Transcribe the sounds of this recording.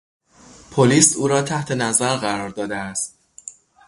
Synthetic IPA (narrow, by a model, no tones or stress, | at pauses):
pʰoliːsuːɾɒːt̪ʰæht̪ʰe̞næzæɾɢæɾɒːɾd̪ɒːd̪eæst̪̚